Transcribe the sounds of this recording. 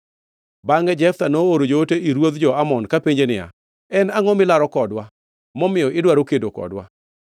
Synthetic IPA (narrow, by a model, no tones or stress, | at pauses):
baŋɛd͡ʒɛft̪anooɾod͡ʒooteʔiɾwod̪d͡ʒɔamɔnkapeɲd͡ʒenɪja̰ | ɛnaŋɔmɪlaɾɔkɔdwa | mɔmɪjɔʔɪdwaɾokedokɔ̰dwa̰